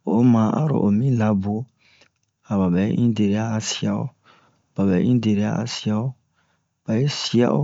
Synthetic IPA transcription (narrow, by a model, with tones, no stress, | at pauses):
o˨˦mã˨˦ʔa̰˦ɾo̰˨ʔo˨mĩ˦la˨˦bo˨˦ | a˨ba˨bɛ̰˨˦ʔĩ˦de˨ɾe˨a˦a˨si˦a˦˨o̰˦ | b̥a˨bɛ̰˨˦ĩ˦de˨ɾe˨a˦a̰˨si˦a˦o˦ | b̥a˨je˦si˦a̰˦o̰˦